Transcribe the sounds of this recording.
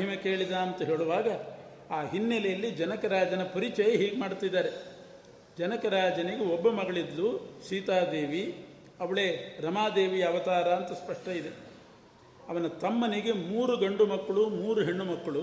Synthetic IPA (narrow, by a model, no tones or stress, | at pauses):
mɐɦimɐke̞ːɭid̪aːɐnt̪ɐɦe̞ːɭuʋaːɡɐ | aːɦinːɛlɛjɐlːid͡ʒɐnɐkɐɾaːd͡ʒɐnɐpɐɾit͡ʃɐjɐɦiːɡemaːɽut̪ːid̪ːaːɾe | d͡ʒɐnɐkɐɾaːd͡ʒɐniɡeɔbːɐmɐɡɐɭid̪luʃiːt̪aːd̪e̞ːʋi | ɐʋɐɭe̞ːɾɐmaːd̪e̞ːʋijɐɐʋɐt̪aːɾɐɐnt̪ɐspɐʂʈɐid̪e̞ | ɐʋɐnɐt̪ɐmːɐniɡe̞muːɾuɡɐɳɖumɐkːɐɭumuːɾuɦeɳːumɐkːɐɭu